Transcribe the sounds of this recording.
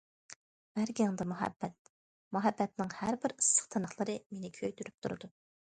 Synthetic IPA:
b̥æɾɡʲŋd̪ɨmuɦɛ̰bːɛt̪̚ | muɦɛbːɛt̪nɪŋhæɾbɪɾɨsːə̥χt̪ʰɨnɑχlˠəɾɨmenɪkʲʰøjt̪yɾyp̚t̪ʰuɾɨd̪u

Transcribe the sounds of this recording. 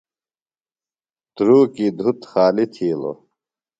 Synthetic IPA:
t̪ɾuːkid̪ʱut̪xaːlit̪ʰiːlo̰

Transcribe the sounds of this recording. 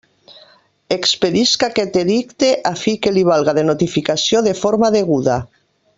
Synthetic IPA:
ekspeðiskaket̪eðikt̪eʔafikeliβ̞alɣaðenot̪ifikasjoðefoɾmaːðeɣ̞uða

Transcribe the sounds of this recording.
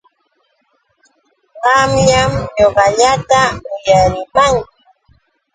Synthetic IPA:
ɢɑmʎamɲoɢɑʎat̪aʊjaɾɪmaŋk

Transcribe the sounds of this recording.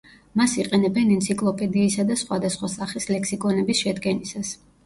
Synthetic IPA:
masiqʼɛnɛbɛnɛnt̪sʰikʼlˠɔpʼɛd̪iːsad̪asχwad̪asχwasaχislɛksikʼɔnɛbisʃɛd̪ɡɛnisas

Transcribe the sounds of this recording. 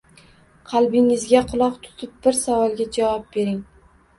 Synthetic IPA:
qʰɑlˠbɪŋɪzɡʲaqʰʊlˠɒqt̪ʰʊ̥t̪ʰɪp̚bɪɾsavɒlˠɡʲad͡ʒavɒp̚be̞ɾɪŋ

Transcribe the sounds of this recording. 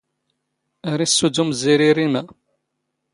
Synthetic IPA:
æɾisːud̪umziɾiɾimæ

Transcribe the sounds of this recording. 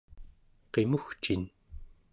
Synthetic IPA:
qemuxt͡ʃin

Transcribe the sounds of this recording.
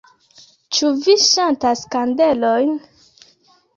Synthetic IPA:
t͡ʃuviʃantaskandelojn

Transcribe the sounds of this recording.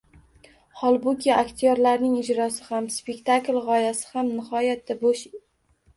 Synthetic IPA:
hɒlˠbʊkʲʰɪakt̪ʰɪjoɾlaɾnɪŋɪd͡ʒɾɒsɪhamspekʲt̪ʰaklʲʁɒjasɪ̥hamnɪhɒjat̪̚ːaboʃ

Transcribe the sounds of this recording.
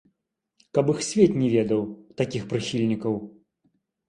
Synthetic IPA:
kɐpɨxsʲvʲɛt̪ʲnʲɛvʲɛd̪ɐwt̪akʲixpɾɨxʲilʲnʲikɐw

